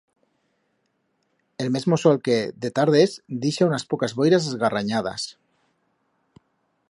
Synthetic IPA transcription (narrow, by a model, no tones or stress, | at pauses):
e̞lme̞zmosolke̞d̪et̪aɾð̞ezd̪iʃaunaspokazβojɾazezɣaraɲað̞a̰s